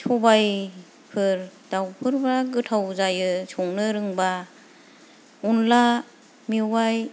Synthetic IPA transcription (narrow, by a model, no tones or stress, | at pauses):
sʰɔbaj | pʰɯɾd̥awpʰɯɾbaɡɯtʰawzajɯsʰɔŋnɯɾɯŋba | unla | miwaj